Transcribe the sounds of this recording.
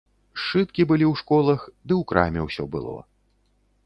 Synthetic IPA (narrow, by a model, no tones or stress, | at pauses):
ʂɨt̪kʲibɨlʲiwʂkɔlˠɐxd̪ɨwkɾa̰mʲɛwsʲɔ̰bɨ̰lˠɔ̰